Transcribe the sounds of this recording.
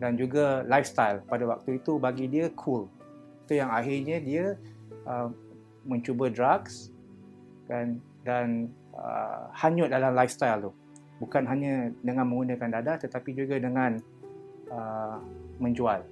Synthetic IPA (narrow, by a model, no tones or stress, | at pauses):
dand͡ʒuɡalajfst̪ajlpadawa̰k̚t̪uit̪ubaɡidiəkʰul | t̪ujaŋaɦirɲə̃diəə | mə̃ɲt͡ʃubədɾaks | dan | dan | ə̰haɲʊt̪̚dalamlajfst̪ajlt̪u | bukanɦaɲãdəŋãnmə̃ŋɡunə̃kandadaʔt̪ət̪apid͡ʒuɡadəŋãn | ə | mə̃ɲd͡ʒual